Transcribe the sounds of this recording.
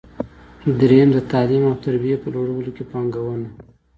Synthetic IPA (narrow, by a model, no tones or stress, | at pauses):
d̪ɾend̪ət̪ɑlimawt̪aɾbijepəloɽawəlokepɑŋɡawəna